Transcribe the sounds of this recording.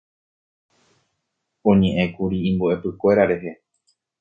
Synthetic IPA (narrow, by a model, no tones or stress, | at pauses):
õ̞ɲẽʔẽ̞kuɾiĩmboʔe̞pɨkʷe̞ɾaɾe̞ɦe̞